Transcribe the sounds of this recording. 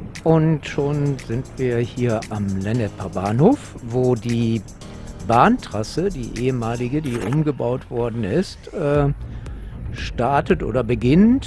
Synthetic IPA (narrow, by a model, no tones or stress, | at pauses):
ʔʊntʃoːnzɪntv̥iːɐhiːɐʔamlɛnɛpʰabaːnhoːfvoːdiː | baːntʁ̥asədḭːʔeːəmaːlɪɡədiːʔʊmɡəbaʊtv̥ɔɐdn̩ɪstʔɛː | ʃtaɐtətʔo̰ːdɐbəɡɪnt